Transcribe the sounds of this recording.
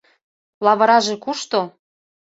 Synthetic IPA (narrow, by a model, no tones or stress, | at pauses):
lɑβɤ̆ɾɑʒĕkuʃt̪o